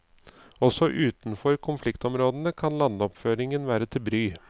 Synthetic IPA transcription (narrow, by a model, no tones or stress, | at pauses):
ɔsɔʔʉːt̪n̩fɔɾkʰʊnflɪkt̪ɔmɾoːd̪ənəkʰɑnlɑnːəɔpføːɾɪŋənʋæːɾət̪ʰɪlbɾyː